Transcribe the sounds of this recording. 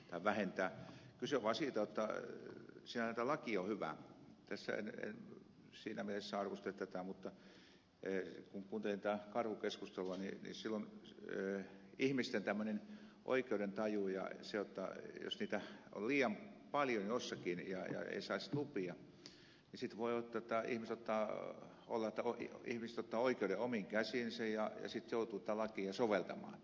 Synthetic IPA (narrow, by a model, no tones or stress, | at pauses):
t̪ɑiʋʋæhent̪æːkyseʋɑsiˑt̪ɑjot̪ːɑ | siːnænæˑit̪ælɑkiohyʋæ̰ˑt̪æsːæ̰ḛnḛn | siːnæmelesːæɑrʋost̪et̪æt̪æˑmut̪ːɑ | kuŋkuːnt̪elint̪æːkɑrhukeskust̪eluɑninḭsilːonøihmist̪ent̪æmːønenʔo̰ikeuɾent̪ɑjujɑ̰sejot̪ːɑjo̰sniːt̪æo̰lliːɑmpɑljonjosːɑkinjɑ̰jɑ̰ḛisɑistupiɑ | nisit̪ʋoiot̪ːot̪ːɑḭhmiset̪ot̪ːɑː | o̰lːɑet̪ːæoḭhmiset̪ot̪ːɑːoikeudeomiŋkæsinsejɑjɑ̰sit̪jout̪uːt̪æːlɑkiːɑsoʋelt̪ɑmɑ̰ːn